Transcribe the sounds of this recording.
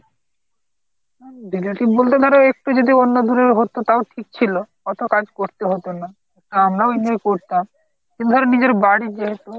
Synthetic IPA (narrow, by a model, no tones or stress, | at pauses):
dileʈibolt̪ed̪ʱɔɾeek̚ʈud͡ʑod̪ionːod̪uɾeɾɦot̪ot̪aoʈʰik̚t͡ɕʰilokɔt̪ʰokad͡ʑkoɾt̪eɦot̪ona | ek̚ʈuamɾaoinojkoɾt̪am | kĩnt̪ud̪ʱɔɾenid͡ʑeɾbaɽid͡ʑeɦet̪u